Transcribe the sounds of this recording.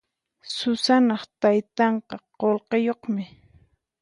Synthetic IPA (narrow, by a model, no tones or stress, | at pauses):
sʊsanɑχt̪ajt̪ɑɴqɑqolqejoχmɪ